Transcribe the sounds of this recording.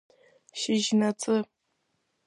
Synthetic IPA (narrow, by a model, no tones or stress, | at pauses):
ʃɪʒnɐt͡sʼɨ